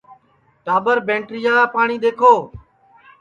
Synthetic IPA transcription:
ʈaːbəɾbẽːɳʈɾiːaːaːpaːɳ̃iːɗ̪eːkʰoː

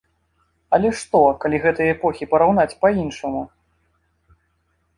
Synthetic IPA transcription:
ɐlʲɛʂt̪ɔkalʲiɣɛt̪ɐjɐɛpɔxʲipɐɾawnat͡sʲpainʂɐmu

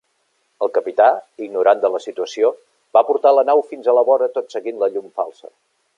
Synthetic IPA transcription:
əlˠkəpit̪aiɡnuɾand̪ələsit̪uəsio | bapuɾt̪alənawfinzələβɔɾət̪ot̪səɣinləʎumfalˠsə̰

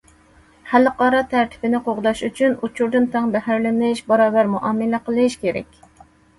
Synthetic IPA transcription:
hælːɨqɑːɾɑt̪ʰæɾt̪ʰɪ̥bɪnɪqʰoʁd̪ɑʃyt͡ʃʰynut͡ʃʰuɾd̪ɨnt̪ʰɑŋbɛhæɾlɪmlɪʃbɑɾɑːbæɾmuʔɑmːɨlɛqəlˠɨʃkʲeɾɛ̰kʲ

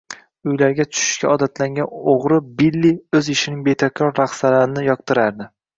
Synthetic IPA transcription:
ʊjlaɾɡʲat̪ʰʊ̥ʃɪ̥ʃkʲaɒd̪at̪ʰlaŋɡʲanoʁɾɪbɪlːiɵzɪʃɪnɪŋbe̞t̪ʰakʲʰɾɒɾːaχsalaɾɪnɪjɒq̚t̪ɪɾaɾd̪ɪ

